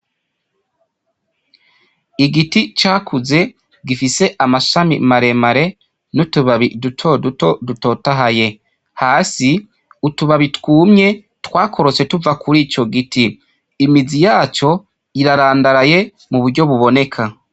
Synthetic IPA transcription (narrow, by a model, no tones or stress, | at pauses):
iɡiticaːkʰuze̞ | ɡifise̞ʔamasʃamḭmaɾe̞maɾe̞ | nutuβaβidutʰodutoduto̞taɦaje̞ | haːsi | utuβaβitwuːmɲe̞ | twaːkʰo̞ɾo̞se̞tuvakʰuɾiːco̞ɡitiː | mizijaːt͡ʃo̞ | iɾaɾaːndaɾaje̞ | muβuɾɟo̞βuβo̞ne̞kʰa